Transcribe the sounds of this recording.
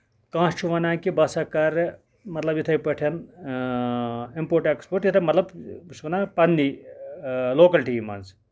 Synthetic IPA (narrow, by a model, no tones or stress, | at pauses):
kãːst͡ʃʰuʋɐnaːkibɐsɐkɐɾ | mɐt̪lɐbjit̪ʰɐjpɐʈʰɐn | impoːʈekspoɾʈjit̪ʰɐmɐt̪lɐbsʋɐnapɐnːi | loːkɐlʈimɐ̰nz